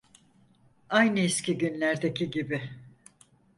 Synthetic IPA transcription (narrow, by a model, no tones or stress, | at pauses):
ajnɯiscʲiɟynlʲæɾd̪e̞ciɟibi